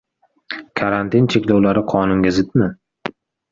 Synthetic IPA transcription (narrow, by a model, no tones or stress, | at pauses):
kʰaɾant̪ʰint͡ʃʰe̞kʲlɒwlaɾɪqʰɒnʊŋɡʲazɪt̪mɪ